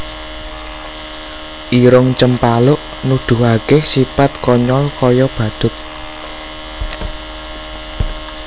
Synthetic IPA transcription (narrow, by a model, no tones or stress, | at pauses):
ʔiɾʊŋt͡ʃəmpalʊʔ | nud̪̥ʊ̤ɦakɪhsipat̪̚kɔɲɔlkɔjɔb̥ä̤d̪̥ʊ̤t̪̚